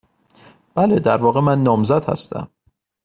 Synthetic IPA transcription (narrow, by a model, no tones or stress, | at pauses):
b̥æled̪æɾvɒːɣe̞mænːɒːmzæd̪̥hæ̰st̪æ̰m